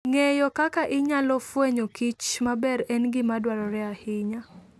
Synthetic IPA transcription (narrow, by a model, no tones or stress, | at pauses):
ŋejɔkakaʔɪɲalɔfweɲokit͡ʃmabɛɾɛnɡɪmadwaɾɔɾɛahɪɲa